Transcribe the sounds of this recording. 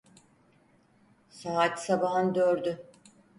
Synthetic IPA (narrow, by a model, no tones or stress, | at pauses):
saat̪sabaɦand̪øɾd̪y